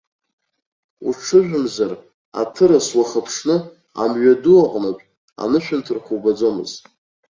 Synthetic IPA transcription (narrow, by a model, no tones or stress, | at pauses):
uʈ͡ʂʰɨʒʷᶣʊmzar | a̰tʰɨɾaswaχəpʰʂnɨ | a̰mɥaduaqʼnapʼ | a̰nɨʃᶣʏntʰɨrχʷubad͡zo̞mɨ̰ztʼ